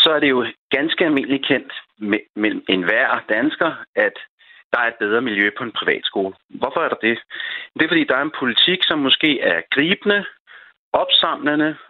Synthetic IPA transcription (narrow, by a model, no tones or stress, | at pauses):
sɒ̽æɐɾ̥e̝jo̝ɡ̥ænsɡ̥əælme̝n̰likʰen̰d̥ | mmel̰m̩e̝nʋæɐ̰d̥ænsɡ̥ɐʔæd̥ | d̥ɑ̈æɐe̝d̚b̥eð̞ˠʁɐmiljøpʰɒ̽e̝npʰʁiʋɛ̰ːd̥sɡ̥o̝̰ːləʋɒfɒ̽æɐɾ̥ɑ̈d̥e̝d̥e̝fɒ̽dḭːd̥ɑ̈æɐe̝npʰo̝lit͡sʰiɡ̥sɒ̽mːɔ̽sɡ̥e̝̰ːæɐɡ̥ʁiːb̥ənə | ɒ̽b̥sɑ̈m̰lənə